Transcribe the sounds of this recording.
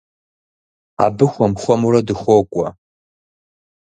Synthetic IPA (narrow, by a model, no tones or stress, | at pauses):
a̰bɨxʷɔmχʷɔmuɾɐdɨxʷoːkʷʼɔ